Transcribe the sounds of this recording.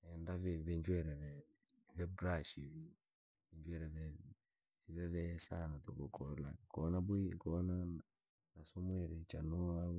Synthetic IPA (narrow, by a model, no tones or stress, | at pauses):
ɛndavɛvɛɲd͡ʒwɛɾɛɛ | vɛbɾaʃivi | vɛɲd͡ʒwɛɾɛvɛ | siβɛvɛsanat̪okokʰɔla̰kɔnabuikɔna | nasɔmwɛɾɛt͡ʃanɔa